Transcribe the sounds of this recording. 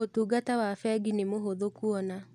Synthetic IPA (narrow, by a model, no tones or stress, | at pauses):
otuːɡatawafɛɡinemoɦoðokuɔna